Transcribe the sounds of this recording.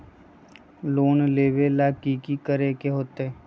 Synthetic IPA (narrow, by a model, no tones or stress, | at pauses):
loːnleːʋelaːkiːkikəɾekeɦoːt̪eː